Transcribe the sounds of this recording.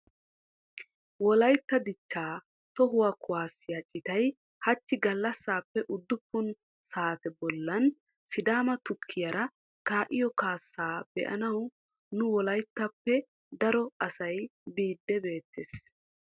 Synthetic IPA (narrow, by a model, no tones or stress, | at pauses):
wɔlɐjt̪ːɐd̪ɪt͡ʃːaː | t̪ɔɦʊwakʊwaːsːɪjat͡ʃʼɪt̪ɐj | hɐt̪ːɪɡɐlːɐsːaːpːɛʔʊd̪ːʊpːʊn | saːt̪ɛbɔlːɐn | sɪd̪aːmɐt̪ʊkʰːɪjɐɾɐ | kaːʔɪjɔkaːsːaːb̥ɛ̰ʔɐ̰nɐw | nʊwɔlɐjt̪ːɐpːɛ | d̪ɐɾɔɐsɐjbiːd̪ːɛbe̞ːt̪ːes